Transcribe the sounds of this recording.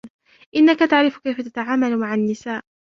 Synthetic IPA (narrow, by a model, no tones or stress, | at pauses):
ʔɪnːakat̪aʕɾɪfkajfat̪at̪aʕaːmalmaʕanːɪsaːʔ